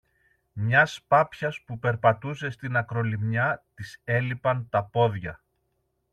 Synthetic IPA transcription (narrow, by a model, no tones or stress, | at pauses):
mɲɐspɐpçɐspupe̞ɾpɐt̪us̬e̞st̪inɐkɾo̞limɲɐt̪ise̞lipɐnt̪ɐpo̞ðʝɐ